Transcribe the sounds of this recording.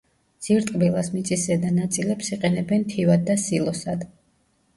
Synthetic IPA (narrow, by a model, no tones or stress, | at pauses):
d̪z̥iɾt̪ʼqʼbilˠasmit̪sʼisɛd̪anat̪sʼilɛpsiqʼɛnɛbɛnt̪ʰivad̪ːasilˠɔsad̪